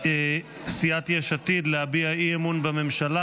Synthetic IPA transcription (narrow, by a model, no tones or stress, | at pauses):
ksiat̪jeʃat̪id̪lehabiaiemunbame̞mʃala